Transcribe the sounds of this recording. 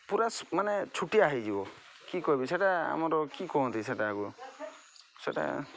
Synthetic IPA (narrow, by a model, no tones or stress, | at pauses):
puɾasmanɛt͡ʃʰuʈiaːɦid͡ʒibɔ | kikɔibisɛʈaa̰mɔɾɔkikɔɦɔ̃nt̪isɛʈaːɡu | sɛʈa̰